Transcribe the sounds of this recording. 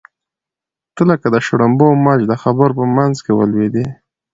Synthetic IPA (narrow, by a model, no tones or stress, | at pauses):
t̪əlakad̪əʃʊɽambomad͡ʒd̪əxabəɾpəmanzkewə̰lwed̪i